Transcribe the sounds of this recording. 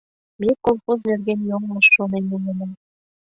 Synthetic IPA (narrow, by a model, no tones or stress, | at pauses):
mekonxuznerɣenjoŋlə̆ʃːonenumenəm